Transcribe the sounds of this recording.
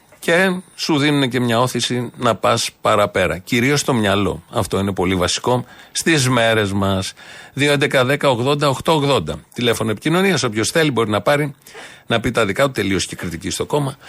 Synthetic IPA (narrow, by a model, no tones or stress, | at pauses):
ce̞suðinune̞ce̞mɲɐo̞θisinɐpɐspɐɾɐpe̞ɾɐ̰ciɾio̞st̪o̞mɲɐlo̞̰ɐft̪o̞ine̞po̞livɐsi̥ko̞st̪izme̞ɾe̞zmɐsðioend̪e̞kɐðe̞kɐoɣðo̞nd̪ɐoxt̪o̞oɣðo̞nd̪ɐ̰t̪ile̞fo̞noe̞picino̞niɐso̞pço̞sθe̞libo̞ɾinɐpɐɾinɐpit̪ɐðikɐt̪ut̪e̞lio̞scekɾit̪icist̪o̞ko̞mɐ